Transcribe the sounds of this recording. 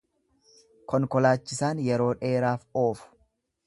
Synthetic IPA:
kɔŋkɔlaːt͡ʃːɪsaːnjɛɾo̞ːᶑe̞ːɾaːfo̞ːfʊ̥

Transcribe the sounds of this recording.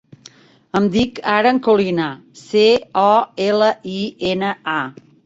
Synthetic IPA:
əmd̪ikaɾəːŋkulinaseɔeləʔienəa

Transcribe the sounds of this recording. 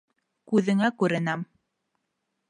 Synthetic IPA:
kʉðɘ̆ŋækʉɾɘ̆næm

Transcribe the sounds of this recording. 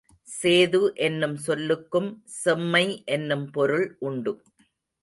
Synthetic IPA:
seːðɯʔɛnːɯmsɔlːɯkːɯmsɛmːɐɪʔɛnːɯmpɔɾɯɭʔʊɳɖɯ

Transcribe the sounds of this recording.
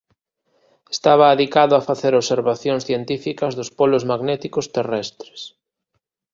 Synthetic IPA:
e̥st̪aβaːðikaðʊafaθeɾoβseɾβaθjoŋsθjent̪ifikɐzðʊspolʊzmaɣnɛt̪ikʊst̪erɛst̪ɾe̥s

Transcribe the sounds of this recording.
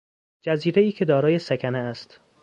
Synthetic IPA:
d͡ʒæziːɾe̞iːcʰe̞d̪ɒːɾɒːje̞sækʰæneæst̪

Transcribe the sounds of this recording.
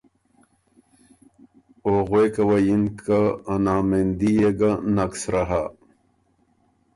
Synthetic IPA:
oʁwekɐwɐjinkaːnaːmend̪ijeɡanɐksɾaɦa

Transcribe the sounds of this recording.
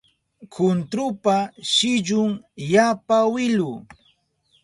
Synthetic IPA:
kʰʊnt̪ɾʊpaʃɪʎʊŋjapawɪlʊ

